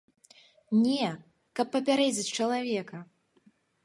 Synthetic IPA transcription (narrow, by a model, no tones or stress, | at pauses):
nʲɛ | kɐpːɐpʲaɾɛd͡zʲit͡sʲt͡ʂɐlˠavʲɛkɐ